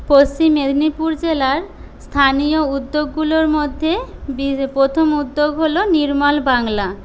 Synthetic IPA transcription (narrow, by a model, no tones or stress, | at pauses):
post͡ɕimːed̪ʱnipuɾd͡ʑelaɾ | st̪ʰanijoud̪ːoɡːuloɾmod̪ʱːebipɾot̪ʰomud̪ːoɡɦoloniɾmalbaŋla